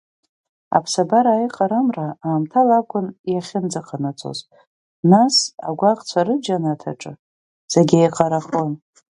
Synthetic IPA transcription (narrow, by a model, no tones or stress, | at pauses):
a̰pʰsabaɾaːiqʼaɾamraaːmtʰalakʷʰʊnjaχʲɪnd͡zaqʰanat͡sʰo̰z | nasa̰ɡʷaqʼt͡sʷʰaɾɨd͡ʒanatʰa̰ʈ͡ʂʼɨ̰ | z̥eɡʲajqʼaɾaχon